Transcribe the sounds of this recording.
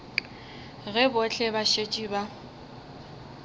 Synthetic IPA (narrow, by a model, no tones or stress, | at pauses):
ɣɛbʊt͡ɬʼɛbaʃet͡ʃʼiːba